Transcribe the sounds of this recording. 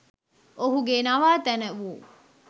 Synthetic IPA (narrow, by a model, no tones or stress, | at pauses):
ʔoɦuɡenɐʋaːt̪ænəʋuː